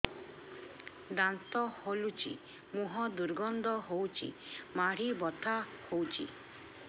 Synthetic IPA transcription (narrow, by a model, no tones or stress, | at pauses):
d̪ant̪ɔholut͡ʃʰḭ | muɦɔd̪uɾɡɔnd̪ɔɦowt͡ʃʰḭmaɽ̤ibɔt̪ʰahowt͡ʃʰḭ